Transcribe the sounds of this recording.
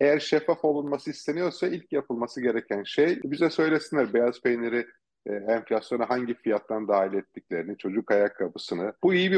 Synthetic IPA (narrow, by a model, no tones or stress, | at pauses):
ejæɾʃefːafo̞lˠunmasɯist̪ʰe̞nijo̞ɾsailʲcjapʰɯlˠmasɯɟe̞ɾecʰænʃejbizɛsø̞jlʲesinlʲæɾbejazpejneɾi | ɛɱflʲasjo̞naɦaɲɟifijat̪ʰːand̪aːɦilʲɛt̪ʰːiclʲe̞ɾinit͡ʃʰo̞d͡ʒukʰajakʰːapɯsɯnɯbuijibi